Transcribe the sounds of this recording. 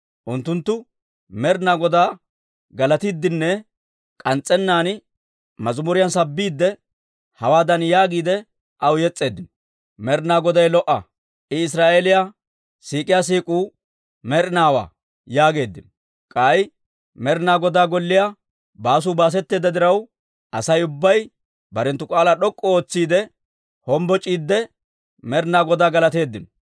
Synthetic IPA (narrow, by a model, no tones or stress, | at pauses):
ʔʊnt̪ːʊnt̪ːʊ | mɛɾɪnaːɡɔd̪aː | ɡɐlɐt̪id̪ːɪnːɛ | kʼɐnt͡sʼːɛnːaːn | mɐzʊmʊɾɪjansɐbːiːd̪ːɛ | hɐwaːd̪ɐnjaːɡiːd̪ɛ | ʔɐwjɛt͡sʼːe̞ːd̪ːɪn | mɛɾnaːɡɔd̪ɐjlɔʔːɐ̰ | ʔɪɪs̬ɾaːʔelɪja | siːkʼɪjas̬iːkʼuː | mɛɾɪnaːwa̰ː | jaːɡe̞ːd̪ːɪn | kʼaj | mɛɾɪnaːɡɔd̪aːɡɔlːɪja | baːs̬uːbaːs̬ɛt̪ːeːd̪ɐd̪ɪɾɐw | ʔɐsɐjʊbːɐj | bɐɾɛnt̪ːʊkʼaːlaɗɔkʼːɔoːt͡sːiːd̪ɛ | hɔmbɔt͡ʃʼiːd̪ːɛ | mɛɾɪnaːɡɔd̪aːɡɐlɐt̪e̞ːd̪ːɪn